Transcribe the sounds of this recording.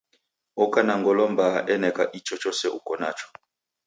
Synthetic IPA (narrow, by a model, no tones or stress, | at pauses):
ɔkanaŋɡɔlɔmbaʔɛnɛkaʔit͡ʃɔt͡ʃɔsɛʔukɔna̰t͡ʃɔ̥